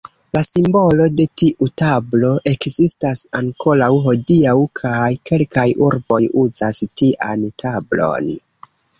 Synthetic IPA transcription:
lasimbo̞lo̞de̞tiʔutablo̞ʔe̞kzistasaŋko̞ɾawɦo̞diawkʰajke̞lkajʔuɾbo̞juzastiʔantʰablo̞̰n

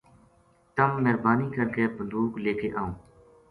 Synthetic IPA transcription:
t̪əmːəɾbaːniːkəɾkeːbənd̪uːkleːkeːʔaːõː

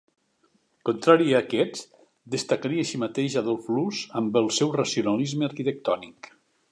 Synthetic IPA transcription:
kont̪ɾaɾiaːkɛs | d̪əst̪akaɾiaʃimat̪eʒaðəlˠfluzambəlˠsɛwrasiunalizməːɾkit̪ək̚t̪ɔnik

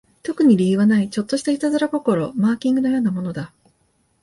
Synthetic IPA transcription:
t̪o̞kɯ̟ɲ̟iɾʲiɯβanait͡ɕo̞t̪ːo̞ɕi̥t̪ait̪azɨɾakoko̞ɾo̞maːkʲĩŋɡɯ̟no̞joːnamo̞no̞d̪a

